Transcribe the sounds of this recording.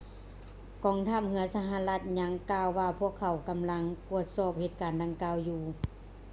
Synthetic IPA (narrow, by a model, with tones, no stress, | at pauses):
kɔː˨˩ŋt̪ʰaː˧˥˩p̚hɯ˧˦ɐsa˧ɦa˧la˧˥t̪̚ɲa˧˥ŋkaː˧wːaː˧pʰu˥˩əkʰːa˨˩˦wka˨mla˧˥ŋku˧˩ət̪̚sɔː˧˩p̚he˧t̪̚kaː˨˩nda˧ŋkaː˧˨wjuː˧˩